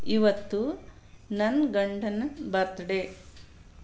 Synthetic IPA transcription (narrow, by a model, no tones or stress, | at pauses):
iʋɐt̪ːu | nɐnɡɐɳɖɐnɐbɐɾt̪ɐɖe